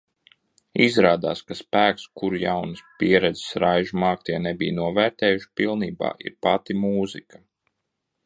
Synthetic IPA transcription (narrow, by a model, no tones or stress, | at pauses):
izɾaːd̪aːskaspæːkskuɾjawnɨspiɛɾɛd̪zɛ̥sɾajʒumaːk̚t̪iɛnɛbḭjnuɔvæːɾt̪ɛːjuʃpilˠniːba̰ːḭɾpat̪imuːzikɐ̥